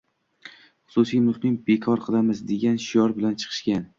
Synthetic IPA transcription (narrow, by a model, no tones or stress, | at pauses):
χʊ̥sʊsijmʊχnɪŋbekʰɒɾqʰɨlˠamɪzd̪eɡʲanʃʊjɒɾbɪlant͡ʃʰɨ̥qʰɨ̥ʃkʲan